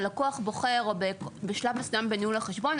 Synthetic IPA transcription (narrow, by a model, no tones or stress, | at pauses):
lakuaχboχeʁobebeʃlavasnambeniulaχeʃbo̞n